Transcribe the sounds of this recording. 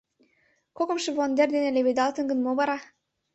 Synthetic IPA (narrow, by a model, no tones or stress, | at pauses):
kokɤ̆mʃĕβond̪erd̪enelʲeβed̪ɑlˠt̪ə̆nɡə̆nmoβɑɾɑ